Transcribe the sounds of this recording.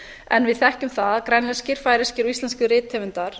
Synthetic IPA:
ɛ̰nvɪðθɛhcʏmθaðkɾɛnlɛscɪɾ̥faːjɾɪscɪɾɔist̪lɛnskʏrɪːt̪ʰːɛːvɪnt̪aɾ̥

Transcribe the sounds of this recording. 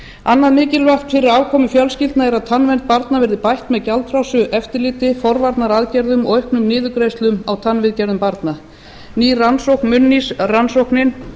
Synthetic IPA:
anːaðmɪːcɪlvaht̪fɪɾɪɾaːwkʰɔːmʏfjœlscɪlt̪naɛɾaðt̪ʰanvɛnt̪̚paɾt̪navɛɾðɪpajht̪mɛðcalt̪ʰɾawsʏʔɛft̪ɪɾlɪːt̪ɪfɔɾvaɾt̪naɾaðcɛɾðʏmɔɣœhknʏmnɪːðʏkɾejst̪lʏmawt̪ʰanvɪðcɛɾðʏmpaɾt̪na | niːransowhknmʏnːisransowhknɪn

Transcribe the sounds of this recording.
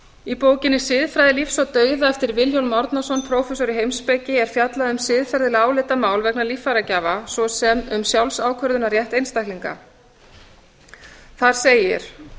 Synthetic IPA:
ipoːwcɪnːɪsɪðfɾajðɪlifsɔt̪œːɥðaɛft̪ɪɾvɪljowlmɔɾt̪nasɔnpʰɾowfɛs̬ɔɾɪɦejmspecɪɛɾ̥fjat̪laðʏmsɪðfɛɾðɪlaːwlɪt̪amaːwlvɛknalifːaɾacaːvasvɔsɛmʏmsjawlsaːwkʰœɾðʏnaɾjɛht̪ejnst̪ajkliŋka̰ | θaɾ̥seːjɪ̰ɾ̥

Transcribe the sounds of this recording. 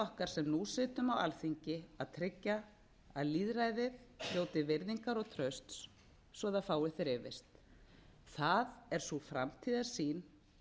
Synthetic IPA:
ɔhkaɾ̥sɛmnusɪːt̪ʏmawa̰lθiɲcɪaðt̪ʰɾɪcːa | aðliːðɾaːjðɪðljoːwt̪ɪvɪɾðiŋkaɾɔɣt̪ʰɾœɥst̪sː | vɔðafaːwɪθɪɾɪvɪst̪ | θaðɛɾ̥sufɾa̰mt̪ʰiːðḁsiːn

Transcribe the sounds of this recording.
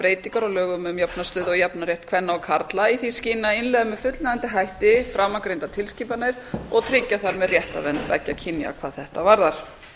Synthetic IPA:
pɾeːjt̪iŋkaɾɔɣlœːɣʏmmjapnast̪ʏːðɔɣjapnaɾjɛht̪kʰvɛnːaɔkʰaɾt̪laiθisciːnaɪnlɛɣðamɛðfʏt̪lnaðant̪ɪɦajht̪ɪfɾamːakɾejnt̪at̪ʰɪlscipanajɾ̥ɔɣt̪ʰɾɪcːaθaɾmɛðrjɛht̪a̰vɛnvɛ̰cːacʰinja̰kʰvaːðθɛht̪avaɾðaɾ̥

